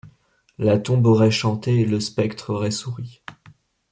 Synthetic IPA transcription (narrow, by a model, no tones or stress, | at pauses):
lat̪ɔ̃bɔʁɛʃɑ̃t̪eːləspɛkt̪χɔʁɛsuʁi